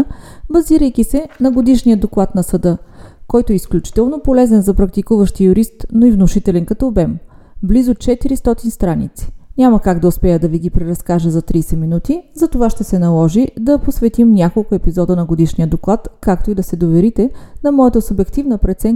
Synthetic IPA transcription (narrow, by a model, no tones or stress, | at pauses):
bɐziɾəjkʲisɛnɐɡod̪iʃnʲijəd̪oklˠat̪nɐsɐd̪ɤkɔjt̪oɛisklʲut͡ʃi̥t̪ɛlˠnopolɛzɛnzɐpɾɐk̚t̪ikuvəʃt̪ijʊɾist̪noivnʊʃit̪ɛlɛnkɐt̪ɔːbɛm | blizʊt͡ʃɛt̪iɾist̪ɔt̪inst̪ɾanḭt̪si̥nʲaməkaɡd̪ɐʊspɛjəd̪ɐviɡipɾɛɾɐskaʒəzɐt̪ɾiːsɛminut̪izɐt̪ovaʃt̪ɛsɛnɐlˠɔʒid̪ɐposvɛt̪imnʲakolˠkʊɛpizɔd̪ənɐɡod̪iʃnijəd̪oklˠat̪kak̚t̪oid̪ɐsɛd̪ovɛɾit̪ɛnɐmɔjət̪əsʊbɛkt̪ivnəpɾɛt̪sɛn